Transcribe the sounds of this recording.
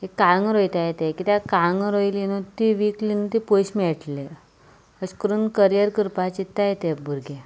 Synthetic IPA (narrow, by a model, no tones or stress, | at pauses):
ekːaŋɡɾojt̪ajet̪ekit̪jakaŋɡɾojlinut̪iʋiklint̪ipojɕmiɛʈle | əskɾuːnkəɾjəɾkəɾpat͡ɕit̪ːajet̪ebʱuɾɡe